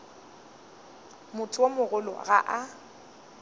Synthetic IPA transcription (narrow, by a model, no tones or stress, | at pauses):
mʊtʰʼʊwomʊɣʊlɔ̰ɣa̰ʔa